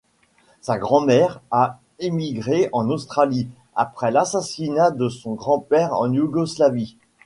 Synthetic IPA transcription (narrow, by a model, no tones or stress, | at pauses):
saɡʁɑ̃mɛʁa | emiɡʁeɑ̃nost̪χali | a̰pχɛlasasinad̪əsɔ̃ɡʁɑ̃pɛʁɑ̰̃njuɡɔslavi